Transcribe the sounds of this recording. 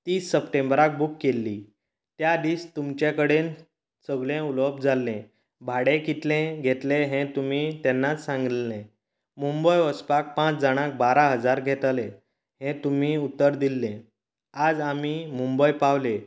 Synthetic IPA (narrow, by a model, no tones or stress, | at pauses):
t̪iːsːəpʈẽmbɾak̚bukːelːiː | t̪jad̪iːst̪umt͡ɕekəɽen | səɡlẽuləb̚d͡zʱalːẽ | bʱaɽẽkit̪lẽɡʱet̪lẽɦɛ̃t̪um̤it̪ɛnːat͡ssãŋɡlẽ | mumbəjəspak̚pãt͡sd͡zaɽ̃ãk̚baɾaɦəd͡zaɾɡʱet̪lẽ | ɦẽt̪um̤iut̪ːəɾd̪ilːẽ | ad͡zamimumbəjpawle